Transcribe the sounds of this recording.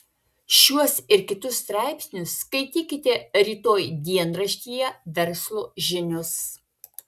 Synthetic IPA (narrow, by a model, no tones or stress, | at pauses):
ʃʲuɔsɪɾkʲɪt̪ʊst̪ɾɑˑɪpʲsʲnʲʊsːkɐɪt̪ʲiːkʲɪt̪ʲɛɾʲiːt̪oːjd̪ʲiɛnɾɐʃʲt̪ʲiːjɛʋʲɛɾslˠoːʒʲɪnʲʊs